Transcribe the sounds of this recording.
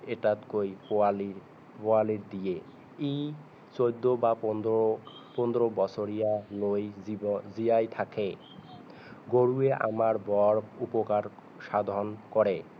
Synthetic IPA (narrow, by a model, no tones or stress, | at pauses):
eʈat̪kojoali | poaliɾd̪ije | ej | t͡ɕojd̪ʱːobap̪ | pond̪ɾobɔt͡ɕʰoɾijalojid͡ʑiajt̪ʰakʰe | ɡoɾueʔa̰maɾbɔɾupokaɾ | ʃad̪ʱonkɔɾe